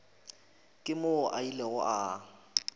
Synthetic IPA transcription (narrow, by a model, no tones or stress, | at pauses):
kʼɪmoʔaileɣʊ̰ʔa